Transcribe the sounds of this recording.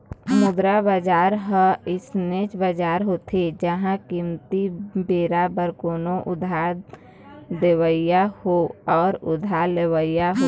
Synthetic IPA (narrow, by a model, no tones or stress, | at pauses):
mʊd̪ɾabad͡ʒaːɾɦəɪsnet͡ʃbad͡ʒaːɾɦot̪ʰed͡ʒəɦãkimt̪ibeːɾabəɾkoːnoʔʊd̪ʱaɾ | d̪ewəɪjahoɔːɾʊd̪ʱaɾlewəɪjaɦo